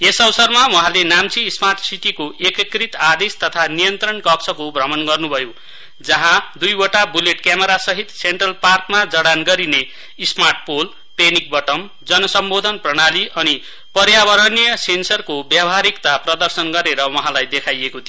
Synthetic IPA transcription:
esʌwʌsʌrmawʌɦãlenamt͡siːsmarʈsiʈikoʔekʌkrit̪ad̪est̪ʌt̪ʰanijʌnt̪rʌnkʌksʰʌkobʱrʌmʌnɡʌrnubʱʌjo | d͡zʌɦãd̪ujoʈabuleʈkjameɾasʌɦit̪seɳʈrʌlparkmad͡zʌɽanɡʌɾine | ismarʈ̚pol | penik̚bʌʈʌm | d͡zʌnʌsʌmbod̪ʱʌnprʌɽ̃aliʔʌni | pʌɾjabʌɾʌnijʌsensʌrkobjabʱɦaɾikt̪aprʌd̪ʌrsʌnɡʌɾeɾʌwʌɦãlajd̪ekʰajekot̪i

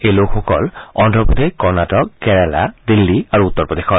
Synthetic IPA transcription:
ejlokʰxɔkɔlɔndʱɔput̪ekɔɹnatɔkːɛɹɛla̰d̪ilːiaɹuut̪ːɔɹpɔd̪exɔ

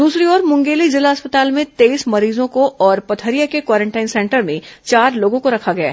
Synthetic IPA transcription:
d̪uːsɾiɔːɾmʊ̃ŋɡeːlizɪlaɐspət̪aːlmẽt̪eːismɐɾiːzõkoʔɔːɾpɐt̪ʰəɾijakekwaːɾẽɳʈaːɪnsɛ̃ɳʈəɾmẽt͡ʃaːɾloːɡõkoɾɐkʰaɡɐja̰ː

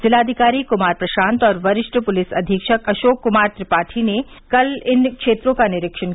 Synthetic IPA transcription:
zɪlaːd̪ʱɪkaːɾikʊmaːɾpɾɐʃãːnt̪ɔːɾʋɐɾɪʃʈəpʊlɪsɐd̪ʱikʃəkɐʃoːkːʊmaːɾt̪ɾɪpaːʈʰine | kɐlɪnkʃeːt̪ɾõkanɪɾɪkʃən

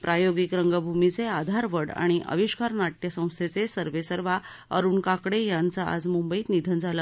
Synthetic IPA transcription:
pɾʔajoɡikɾəŋɡəbʱumit͡sead̪ʱaɾʋəɽa̰ɽ̃iʔə̰ʋiɕkaɾnaʈjəsə̃w̃st̪ʰet͡sesəɾʋesəɾʋa | ə̰ɾuːɳkakɽejãnt͡saʔa̰d͡zmumbəiːt̪nid̪ʱənd͡zʱalə

